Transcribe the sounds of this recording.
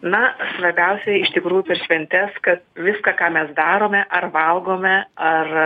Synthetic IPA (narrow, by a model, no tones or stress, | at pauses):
nɐsʋɐɾʲbʲɛʊsʲɛɪʃt̪ʲɪkɾuːjʊpʲɛɾʃʲʋʲɛnʲt̪ʲɛskɐt̪̚ʋʲɪskɑːkɑːmʲɛsd̪ɑːɾoːmʲɛʔɐrʋɐlˠɡoːmʲɛɐr